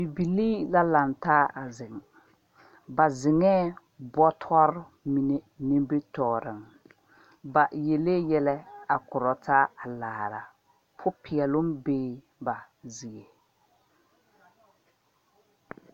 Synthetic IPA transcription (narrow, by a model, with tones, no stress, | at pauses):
bi˨bi˨liː˦la˦la˨ntaː˦a˨zɪ˨ŋ | ba˨zɪ˨ŋɛː˦ | bɔ˦tʰɔ˦ɾ | mi˨ne˨ni˦mbɪ˦tɔː˨ɾɪ˨m | ba˨je˨le˦jɛ˦lɛ˦a˨kʊ˨ɾɔ˨taː˦a˨laː˨ɾa̰˨ | pʰʊ˦pʰɪ˨ɛ˨lʊ˦mbeː˦ | ba˨ | zɪ˨e˨